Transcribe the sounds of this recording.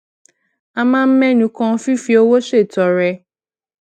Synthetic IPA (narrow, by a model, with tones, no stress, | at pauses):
a˦mã˦m̩˦mɛ̃˦nũ˨kɔ̃˦fi˦fi˦o˦wo˦se˨tɔ˨ɾɛ˨